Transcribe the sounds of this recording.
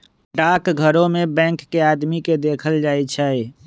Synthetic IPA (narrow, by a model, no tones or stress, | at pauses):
ɖaːkɡʱəɾõmebɛ̃ːŋkːeaːd̪miked̪eːkʰəld͡ʒaːjt͡ʃʰɛe